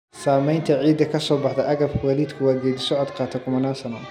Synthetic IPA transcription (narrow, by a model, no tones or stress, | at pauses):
saːmɛjnt̪ʰɐʕiːd̪ɐkʰɐsɔːbɑħd̪ɐʔɐɣɐbkʰʊwɐːliːd̪kʰʊwaːɡɛːd̪ɪsɔad̪qɑːt̪ʰɛkʰʊmɐnaːsɐnɐ